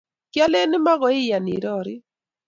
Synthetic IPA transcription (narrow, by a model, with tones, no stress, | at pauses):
kja˦le˦nɪ˦ma˦ɣɔ˨˦ɪ˦ja˨nḭ˨ɾɔ˦ɾɪ˦